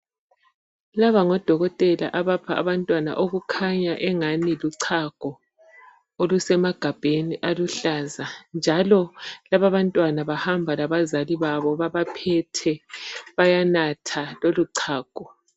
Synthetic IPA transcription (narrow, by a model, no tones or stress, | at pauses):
laβaŋɔd̥ʱɔɣɔtʼɛla̰ʔaβapʰaʔa̰βantʼwana̰ʔoɣukʰaɲaʔɛŋaniluǀʰaɡ̥ʱɔ | olusɛmaɡ̥ʱab̥ʱeniʔaluɬazand͡ʒʱalɔlaβaβantʼwanaβahambʱalaβazaliβaβɔβaβapʰɛtʰɛβajanatʰaloluǀʰaːɡ̥ʱɔ